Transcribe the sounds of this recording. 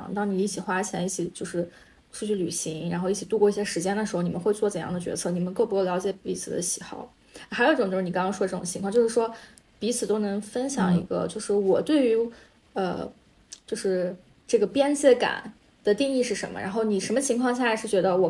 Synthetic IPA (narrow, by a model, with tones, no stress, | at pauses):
ŋt̪ɑ˥ŋni˨˩i˥˩t͡ɕʰi˨˩xwa˥t͡ɕʰjɛ̰˧˥ni˥˩t͡ɕʰi˨˩t͡ɕjo˥˧ʊʂɻ̩˥˧ | ʂu˥˩t͡ɕʰy˥˩ly˨˩ɕi˧˥ŋɻa̰˧˥nxo˥˧ʊi˥˩t͡ɕʰi˨˩t̪u˥˧kwɔ˥˧i˥˩ɕjɛ˥ʂɻ̩˧˥t͡ɕjɛ˥nd̪ə˩ʂɻ̩˧xo˥˧ʊi˨˩mə˦nxwe˥˧ɪt͡swɔ˥˩t͡sə˨˩njɑ̰˥˩ŋd̪ə˩t͡ɕɥɛ̰˧˥t͡sʰɤ˥˩ni˨˩mə˦nkɤ˥˩pu˧˥kljʲɑ˧˥ʊt͡ɕjɛ˨˩˦pḭ˧˥t͡sʰɹ̩˨˩d̪ə̰˦ɕi˨˩xɑ̰˥˩˦ʊ˥ | xo˨˥i˥ʈ͡ʂʊ˨˩t͡ɕo˥˧˥ni˨˩ɑ˥ŋkɑ˥ʂɔ˥ə˧ʈ͡ʂɤ˥˩ʈ͡ʂŋt͡ɕʰi˧ŋkʰɑ˥˧ŋt͡ɕjo˥˧ʊʂɻ̩˥˩ʂwɔ˥ | pi˧˥t͡sʰɹ̩˨˩t̪o˥ʊnɤ˧˥ŋfə˥nɕjɑ̰˨˩ŋḭ˧˥ɡə̰˧t͡ɕjo˥˧ʊʂɻ̩˥˩wɔ˨˩t̪we˥˩ɪy˧˥ | ə̰˧ | t͡ɕjo˥˧ʊʂɻ̩˥˧ | ʈ͡ʂɤ˥˩ɡə˩pjɛ˥nt͡ɕɛ˧˥ka̰˨˩˦n | d̪̥ə˩t̪i˥˧ŋi˥˧ʂɻ̩˥˩ʂə̰˧˥nmə̰˧ɻa̰˧˥nxo˥˩ʊni˨˩ʂə˧˥nmə˧t͡ɕʰi˧˥ŋkʰwɑ˥˧ŋɕ̬a˥˩lɪʂɻ̩˥˩t͡ɕɥɛ˧˥d̪ə˧wɔ˨˩